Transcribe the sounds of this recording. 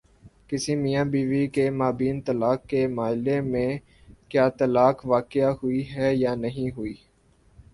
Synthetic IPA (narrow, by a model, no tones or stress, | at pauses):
kɪsimijãːbiːʋikemaːbiːnt̪əlaːkːemaːɪlemẽː | kjaːt̪əlaːkʋaːkɪjaɦʊiɦɛːjaːnɐɦĩɦʊiː